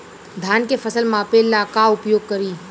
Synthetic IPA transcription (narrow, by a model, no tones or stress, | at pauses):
d̪ʱaːnkefʰəsəlmãpelːakaʊpjoːɡ̚kəɾiː